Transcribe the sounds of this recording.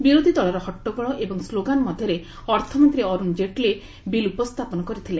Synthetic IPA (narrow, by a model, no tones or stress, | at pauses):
biɾod̪ʱid̪ɔɭɔɾɔɦɔʈːɔɡɔɭɔʔebɔŋsloɡanmɔd̪ʱjɔɾe | ɔɾt̪ʰɔmɔnt̪ɾiɔɾund͡ʒeʈle | bilupɔst̪ʰapɔnɔkɔɾit̪ʰileŋ